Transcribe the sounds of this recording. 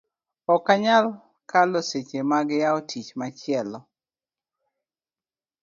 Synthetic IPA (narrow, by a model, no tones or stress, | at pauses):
ɔkaɲal | kaloset͡ʃemaɡjaotʰit͡ʃmat͡ʃɪɛlɔ